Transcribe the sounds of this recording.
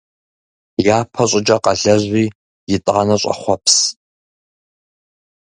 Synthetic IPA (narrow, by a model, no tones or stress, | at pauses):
jaːpʰɐɕʷʼɪd͡ʒʼɐqɐɮɐʑʷiː | jɪtʼʁanɐɕʷʼɐ̰χʷɔpʰs